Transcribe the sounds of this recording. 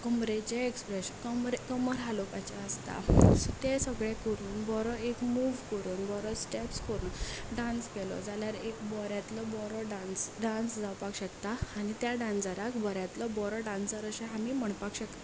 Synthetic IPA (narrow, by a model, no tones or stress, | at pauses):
kəmɾet͡ɕeekspɾeskəmɾkəməɾɦalokat͡ɕaəst̪a̰t̪esəɡɭekəɾuːnbɔɾɔekmuʋkəɾuːnbɔɾɔsʈepskəɾuːnɖãnskelɔ̰d͡zaljaɾekbɔɾjat̪lɔbɔɾɔɖansɖãnsd͡zawpakɕəkt̪aːɽ̃it̪jaɖãnd͡zəɾakbɔɾjat̪lɔbɔɾɔɖãnsəɾəɕẽɦamiːm̤əɳpakɕəkt̪a